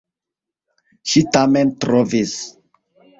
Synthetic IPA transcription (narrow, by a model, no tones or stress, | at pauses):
ʃitamɛ̃ntɾɔvis